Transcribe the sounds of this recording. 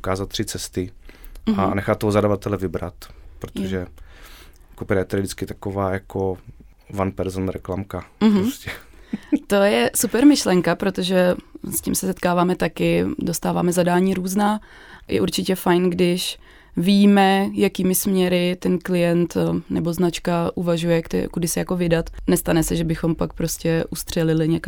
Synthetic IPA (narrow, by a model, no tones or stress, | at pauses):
ukaːzat̪̚t̪ːr̥ɪt͡sɛst̪ɪ | anɛxat̪ːoɦozadavat̪ɛlɛvɪbɾa̰t̪pɾot̪oʒɛ | kupɪɾajɛt̪ɛdɪdɪt͡skɪt̪akovaːjako | vanpɛɾzonɾɛklamkaɦ̩oscɛ | t̪o̞jɛsupɛɾmɪʃlɛŋkapɾo̞t̪o̞ʒɛscḭːmsɛsɛt̪̚kaːvaːmɛt̪akɪdo̞st̪aːva̰ːmɛzadaːɲiːɾuːznaː | jɛ̰ʔuɾt͡ʃɪcɛfajnɡdɪʃ | viːmɛjakiːmɪsmɲɛɾɪt̪ɛnklɪjɛnt̪nɛbo̞znat͡ʃkaʔuvaʒujɛkt̪ɛ̰kudɪsɪjako̞vɪdat̪nɛst̪anɛsɛʒɛbɪxo̞mpak̚pɾo̞scɛʔust̪r̝̥ɛlɪlɪɲɛka